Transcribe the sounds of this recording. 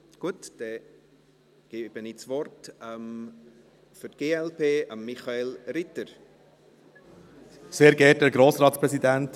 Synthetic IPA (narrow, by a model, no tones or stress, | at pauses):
ɡ̥uətd̥ɛ | ɡ̥eːb̥ənit͡svɔrtɛm | fʏɾtɡ̥eːɛlpʰeːʔəmːiχaelɾɪtəɾ | seːɾɡɛt̚əɾɡɾoːsɾɑːtspɾɛsidænt